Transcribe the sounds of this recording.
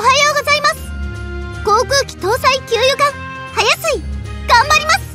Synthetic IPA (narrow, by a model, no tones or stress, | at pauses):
oɦajoːɡo̞zaimasɨ̥ɡ̥o̞ːkɯ̟ːkʲi̥t̪o̞ːsaikʲɨːjokãŋ | hajasɨiɡ̥ãmbaɾʲimasɨ̥